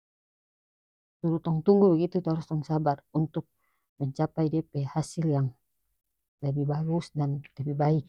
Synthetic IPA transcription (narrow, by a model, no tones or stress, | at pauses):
suɾut̪ɔŋt̪uŋɡubəɡit̪ut̪ɔɾust̪ɔŋsabarunt̪uk̚ | məɲt͡ʃapaidiɛpɛhasiljaŋ | ləbihbaɡusdanləbibaik̚